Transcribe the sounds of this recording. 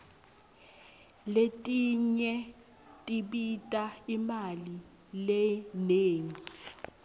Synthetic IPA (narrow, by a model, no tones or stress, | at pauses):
letʼiɲɛ | tʼiɓitʼaimali | lɛneːŋi